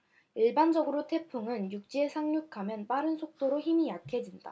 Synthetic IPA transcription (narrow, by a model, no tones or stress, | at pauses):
iɭband͡ʑʌɡɯɾotʰe̞pʰuŋɯnjuk̚t͡ɕ͈iesʰaŋɲuk̚kʰamjʌnp͈aɾɯnsʰok̚t͈oɾoçimijakʰe̞d͡ʑinda̰